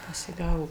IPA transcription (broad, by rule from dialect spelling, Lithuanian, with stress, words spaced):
pɐsʲɪˈɡɑːʋoː